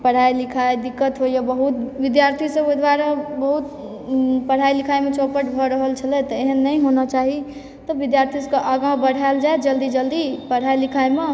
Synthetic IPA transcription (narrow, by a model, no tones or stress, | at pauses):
pəɽ̤ajlikʰajd̪ikːət̪ɦojabəɦut̪bid̪jaɾt̪ʰisəbod̪waɾabəɦut̪ | pəɽ̤ailikʰajmet͡ʃʰopəʈbʱɔɾəɦəlt͡ʃʰəlɛt̪eɦənːəjɦonat͡ʃaɦi | t̪ɔbid̪jaɾt̪ʰiskəʔaɡãbəɽ̤ʱaeld͡ʒaed͡ʒəld̪id͡ʒəld̪ipəɽ̤ailikʰajme